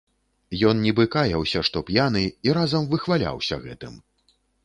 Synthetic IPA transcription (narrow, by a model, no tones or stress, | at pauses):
jɔnnʲɛbɨkajɐwsʲɐʂt̪ɔpʲjanɨiɾazɐmvɨxvalʲa̰wsʲɐ̰ɣɛ̰t̪ɨm